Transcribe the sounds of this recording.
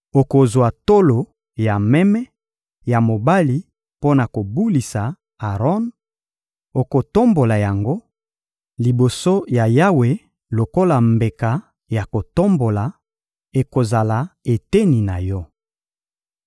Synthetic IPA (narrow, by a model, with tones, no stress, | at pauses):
o˨ko˨zwa˨to˦lo˨ | ja˨mɛ˦mɛ˦ | ja˨mo˨ba˦li˨ | po˦na˨ko˨bu˦li˨sa˨ | a˨ʁɔ˦n | o˨ko˨to˦mbo˨la˨ja˨ŋɡo˦ | li˨bo˨so˦ja˨ja˦we˨ | lo˨ko˦la˨mbe˨ka˨ | ja˨ko˨to˦mbo˨la˨ | e˨ko˨za˨la˨e˨te˦ni˨na˨jɔ˦